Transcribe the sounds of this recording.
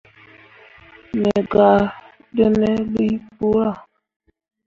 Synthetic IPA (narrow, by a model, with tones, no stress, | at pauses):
mɛ˨ɡa˨ | də˦nɛ˦li˦pu˦ɾa˨